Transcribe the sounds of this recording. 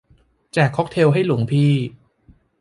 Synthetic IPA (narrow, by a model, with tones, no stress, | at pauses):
t͡ɕɛː˨˩kʰːɔ˦˥k̚t̪ʰe˧wɦa˥˩jlu˩˦ə˦ŋpʰiː˧